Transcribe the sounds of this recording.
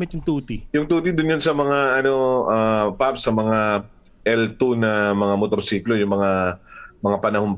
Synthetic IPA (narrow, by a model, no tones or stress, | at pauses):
mɪt̪̚jʊŋt̪uːt̪ijʊŋt̪uːt̪id̪ʊnjonsɐmɐŋaʔɐno̞ʔapapsɐmɐŋa | ʔɛlt̪unɐmɐŋamot̪oɾsiːklo̞jʊŋmɐŋamɐŋapɐnɐhoŋ